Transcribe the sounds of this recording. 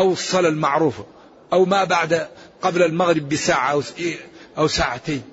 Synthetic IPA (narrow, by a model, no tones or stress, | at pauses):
ʔawɨsˤːɑlalmaʕɾuːfa | ʔawmabaʕd̪aqɑblalmaɣɾɪbːɪsaːʕa | ʔawsaːʕat̪eːn